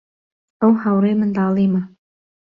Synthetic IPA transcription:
əwhawɾemɨnd̪ɑːlˠima

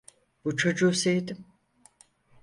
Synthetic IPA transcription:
b̥ut͡ʃʰod͡ʒuːsejd̪im

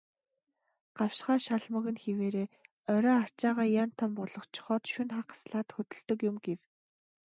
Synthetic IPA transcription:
ɢ̥awʃχaːʃaɮmə̆ɣɘ̆nxeweːɾeː | œɾʲɔːat͡ɕaːʁaːjan̥t̪ʰːɔmpɔɮɞ̆χt͡ɕʰχɔːt̪ʃɵnχaqḁsɮaːt̪xɵt̪ɵ̆ɮt̪ɵ̆kjʊmɡew

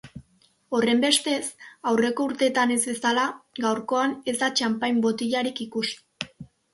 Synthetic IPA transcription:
o̞re̞mbe̞st̪e̞sawre̞ko̞uɾt̪e̞t̪ane̞zbe̞salaɡawɾko̞ane̞zd̪at͡ʃampajmbo̞t̪iʎaɾikikus

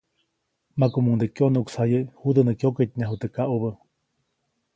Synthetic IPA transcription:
makumuŋd̪ekjonuʔuksajehud̪ənəkjoket̪̚ɲaɦut̪ekaʔuβə

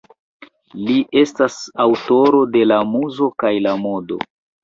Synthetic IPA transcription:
liʔe̞stasawto̞ɾo̞de̞lamuzo̞kajlamo̞do̞̰

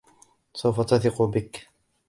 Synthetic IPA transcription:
sawfat̪aθɪquːbɪk

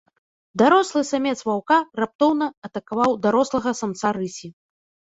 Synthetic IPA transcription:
d̪aɾɔslˠɨsamʲɛt̪svawkarap̚t̪ɔwnɐɐt̪ɐkavawd̪aɾɔslˠɐɣɐsɐmt̪saɾɨsʲi

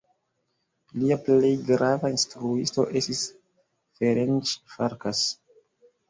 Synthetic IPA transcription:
liaple̞jɡɾavainstɾuisto̞̰ʔe̞stis | feɾent͡ʃfaɾkas

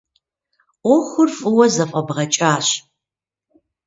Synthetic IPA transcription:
ɔxʷʊrfʼɨwɐzɐfʼɐbʁɐt͡ʃʼaːɕ

